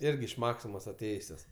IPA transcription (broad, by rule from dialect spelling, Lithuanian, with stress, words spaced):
ˈɪrʲɡʲɪ ɪʃ ˈmɑːksʲɪmoːs ɐˈtʲeːjʊsʲoːs